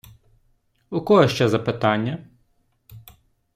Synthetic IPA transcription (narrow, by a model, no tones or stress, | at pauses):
ʊkɔɦɔʃt͡ʃɛzɐpɪt̪ɑnʲːɐ